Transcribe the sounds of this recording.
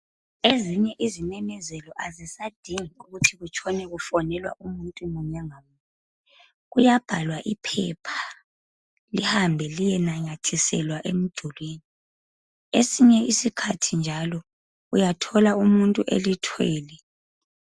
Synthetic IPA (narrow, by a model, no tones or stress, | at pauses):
eziɲɛʔizinɛmɛzɛlɔʔazisad̥ʱiŋiuɣutʰiɣut͡ʃʰʼɔnɛɣufɔnɛlwa̰ʔumuntʼumuɲɛŋamu | ɛ | ɣujab̥ʱalwaʔipʰɛpʰḁ | lihambʱɛlijɛnaɲatʰisɛlwaʔem̩d̥ʱulweːni | esiɲɛisikʰatʰind͡ʒʱalɔ | ujatʰɔlaumuntʼuʔḛlitʰwɛːlɛ